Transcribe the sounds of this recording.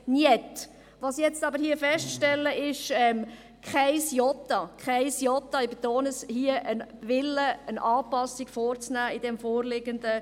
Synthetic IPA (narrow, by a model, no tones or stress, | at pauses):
niet | ʋɑsjɛt͡stɑbəɾhiəfɛʃtʃtɛlːəɪʃɛːm | kʰχaɪsjɔtɑkχaɪsjɔt̪ɑibet̪oːnəshiəʔənʋɪlːəənʔɑːpɑsiɡ̥foːɾt͡snæːɪdɛmfoːrlɪɡənd̪ə